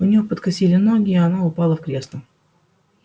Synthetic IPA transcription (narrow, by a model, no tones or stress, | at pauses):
ʊnʲɪjopət̪kɐsʲilʲɪnoɡʲɪːɐnaʊpɑlˠəfkɾʲesnə